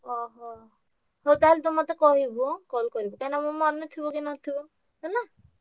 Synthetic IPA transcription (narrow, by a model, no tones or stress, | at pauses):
ɔɦɔ | ɦowt̪aɦilet̪umɔt̪ekɔɦibukɔlkɔɾibɔkãnamumɔnɔt̪ʰibɔkinɔt̪ʰib | ɦona